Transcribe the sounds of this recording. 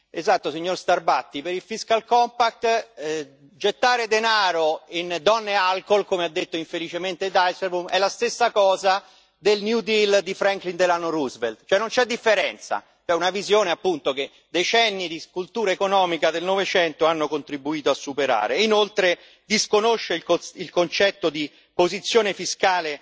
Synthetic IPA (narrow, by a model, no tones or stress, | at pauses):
ezat̪ːosiɲːorst̪arbat̪ːipeɾilfiskalkɔmpak̚t̪ | d͡ʒet̪ːaːɾed̪enaːɾoind̪ɔnːealkolkomead̪ːet̪ːoiɱfelit͡ʃement̪ed̪ajseɾbumɛlːast̪esːakɔːza | d̪elnjud̪ild̪ifɾɛŋklind̪elanːoruzveld̪t͡ʃoɛnːont͡ʃɛd̪ːifːeɾɛnt̪sa̰ | t͡ʃoɛunavizjoːneapːunt̪oke | d̪et͡ʃɛnːid̪iskult̪uːɾaekonɔːmikad̪elnovet͡ʃɛnt̪oanːokont̪ɾibuiːt̪oasːupeɾa̰ːɾeinolt̪ɾe | d̪iskonoʃːekoilkont͡ʃɛt̪ːod̪i | pozit̪sːjoːnefiskaːle